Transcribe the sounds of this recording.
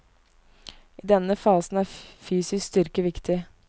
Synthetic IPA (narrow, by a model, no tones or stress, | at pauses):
ʔiːd̪ɛnəfɑːsn̩æːɾfyːsɪskst̪ʏɾkəʋɪkt̪ʰɪ